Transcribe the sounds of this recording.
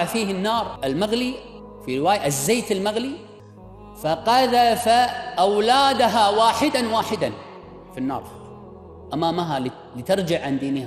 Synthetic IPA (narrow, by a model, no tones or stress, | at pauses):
ʕfiːhɪnːɑːɾˤʔɪlmaɣli | fiɾɪwaːjaʔɪzːeːt̪ɪlmaɣli | faqaðafaʔawlaːd̪aɦawaːħɪd̪anwaːħɪd̪an | finːɑ̰ːɾˤ | ʔamaːmaɦal | lit̪ɪɾˤd͡ʒɪʕʕand̪iːnɪha